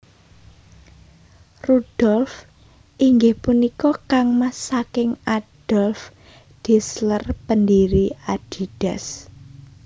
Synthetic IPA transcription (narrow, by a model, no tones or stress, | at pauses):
rud̥ɔlf | ʔiŋɡɪhpunikɔkaŋmasakɪŋad̥ɔlf | d̥islərpəndiɾiaɖ̥i̤d̥ɛs